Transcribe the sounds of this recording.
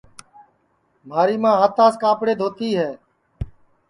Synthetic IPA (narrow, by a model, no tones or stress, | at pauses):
m̤aːɾiːmãːɦət̪aːskaːpɽeːd̪ʱoːt̪iːɦɛː